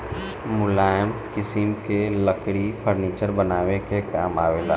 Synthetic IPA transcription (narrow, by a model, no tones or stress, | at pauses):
mʊlaːjəmkɪsɪmkeləkɽipʰəɾniːt͡ʃəɾbənaːʋekekaːmaːʋeːlaː